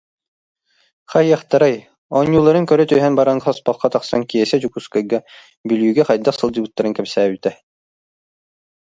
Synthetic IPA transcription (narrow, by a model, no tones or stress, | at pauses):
χɑjːɑχt̪ɤ̆ɾɑj | ɔnʲːulˠɑɾɤŋkœɾɵt̪œjɦænbɑɾɑɴɑspɑlˠqːɑt̪ɑqsɑŋkijɛsæd͡ʒukuskɑɡɑ | byljʉɡæχɑjd̪ɑqsɤlˠd̪ʲibut̪ːɑɾɤŋkæmsæyt̪æ